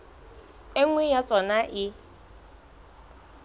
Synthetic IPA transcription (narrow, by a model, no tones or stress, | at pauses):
ɪŋwɛjat͡sʼɔnaʔɪ